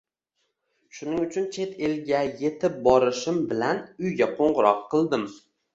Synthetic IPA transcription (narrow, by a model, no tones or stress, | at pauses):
ʃʊnɪŋʊt͡ʃʰʊnt͡ʃʰe̞t̪ʰelɡʲaje̞t̪ʰɪp̚bɒɾɪʃɪmbɪlanʊjɡʲaqʰoɴʁɨɾɒqʰːɨlˠd̪ɪm